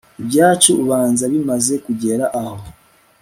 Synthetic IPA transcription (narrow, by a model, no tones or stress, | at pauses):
eβjaːcuβaːnzaβimaze̞kuɟeɾaʔːho̞